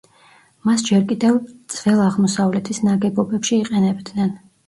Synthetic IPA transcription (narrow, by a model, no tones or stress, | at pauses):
masd͡ʒɛɾkʼid̪ɛvt̪z̥ʼvɛlˠaʁmɔsavlɛt̪ʰisnaɡɛbɔbɛpʃiːqʼɛnɛbd̪nɛn